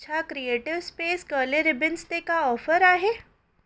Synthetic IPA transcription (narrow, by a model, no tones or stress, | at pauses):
t͡ɕʰakɾieʈiʋspesɡəleɾibinst̪ekaɔfəɾaɦe